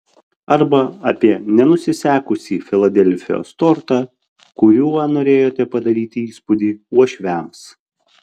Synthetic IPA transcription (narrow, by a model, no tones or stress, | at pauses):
ɐɾbɐɐːpʲiɛnʲɛnʊsʲɪsʲæːkʊsʲiːfʲɪlˠɐd̪ʲɛlʲfʲɪjo̰ːst̪ɔɾt̪ɑː | kʊɾʲuːnoːɾʲeːjoːt̪ʲɛpɐd̪ɐɾʲiːt̪ʲɪiːspʊd̪ʲiːuɔʃʲʋʲæms